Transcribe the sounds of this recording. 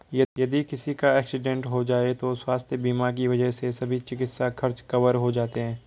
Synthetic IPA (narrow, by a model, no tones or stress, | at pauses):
jɐjɐd̪ikɪsikaɛːksɪɖɛ̃ɳʈɦod͡ʒaːet̪oswaːst̪ʰjəbiːmaɾk̬iʋɐd͡ʒəɦsesɐbʱit͡ʃɪkɪt̪sakʰɐɾt͡ʃkɐʋəɾɦod͡ʒaːt̪eɦɛ̃ː